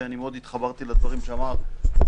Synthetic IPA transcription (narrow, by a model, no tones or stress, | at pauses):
eanimeo̞d̪it̪χabaʁt̪ilad̪vaʁimʃeamaʁ